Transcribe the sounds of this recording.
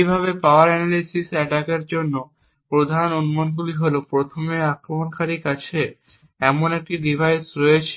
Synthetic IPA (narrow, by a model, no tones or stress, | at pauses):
ibʱaβepaoaɾɛnalisisɛʈakeɾd͡ʑonːo | pɾod̪ʱanonumonɡuliɦolopɾot̪ʰomeakɾomonkʰaɾikat͡ɕʰe | ɛmonek̚ʈiɖibʱajsɾɔet͡ɕʰe̥